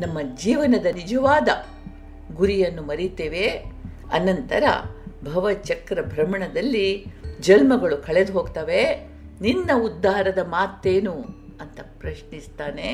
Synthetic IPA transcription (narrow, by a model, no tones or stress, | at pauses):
nɐmːɐd͡ʒiːʋɐnɐd̪ɐnid͡ʒɐʋaːd̪ɐ | ɡuɾijɐnːumɐɾit̪eːʋe | ɐnɐnt̪ɐɾɐ̰bʱɐʋɐt͡ʃɐkɾɐbʱɾɐmɐɳɐd̪ɐlːid͡ʒɐlmɐɡɐɭukʰɐɭed̪uɦoːɡt̪aʋe | ninːɐud̪ːaːɦɾɐd̪ɐmaːt̪eːnuɐnt̪ɐpɾɐʃnist̪aːne